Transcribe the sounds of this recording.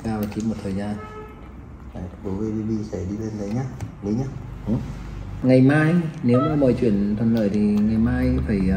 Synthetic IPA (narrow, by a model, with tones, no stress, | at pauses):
kaː˧˩vaː˨˩t͡ɕi˨˦mo˨˩t̚t̪ʰəː˨˩jzaː˧n | a˨˩ɓo˨˦vi˧vi˧ɓi˧sa˧˩ɗi˧le˧nɗə˨˦jɲaː˧ɗi˨˦ɲa˧˩ʔɨ˨˩˦ŋa˨˩jmaː˧jne˨˦wmaː˧˩mɔ˧˨jt͡ɕwḭ˧˨ənt̪ʰwə˨˩nləː˧˩jt̪ʰi˨˩ŋa˨˩jmaː˧jfaː˧˩j